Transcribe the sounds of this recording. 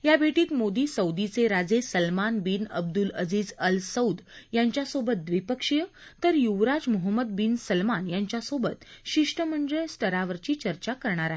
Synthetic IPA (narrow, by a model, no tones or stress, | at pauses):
jabʱeʈiːt̪mod̪iːsəwd̪it͡seɾad͡zesəlmanbinə̰b̚d̪uləd͡ziːd͡zəlsəwd̪jaɲt͡ɕjasobət̪̚d̪ʋipəkʂijət̪əɾjuʋɾad͡zmuɦəmːəd̪̚binsəlmanjaɲt͡ɕjasobət̪ɕiʂʈəməɳd̪əjsʈ̪ʰəɾaʋəɾt͡ɕiːt͡ɕəɾt͡ɕakəɾɳ̃aɾaɦe